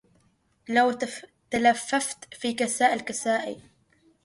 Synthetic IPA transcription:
lawt̪alafːaft̪fiːkasaːʔɪlkasaːʔḭ

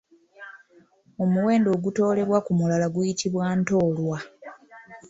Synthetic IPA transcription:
o̞muwe̞ːndo̞ːɡuto̞ːle̞βwakumulalaɡujitʰiβwaːnto̞ːlwa

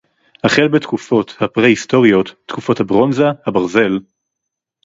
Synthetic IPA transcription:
haχelbetkufo̞thapʁeisto̞ʁijo̞tːkufo̞thabʁo̞nzahabaʁze̞l

